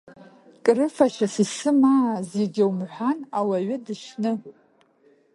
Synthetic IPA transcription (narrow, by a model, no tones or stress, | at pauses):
kʼrɨfaʃasisɨmaːzeɡʲɪwmħʷanawaɥɪdɨʃnɨ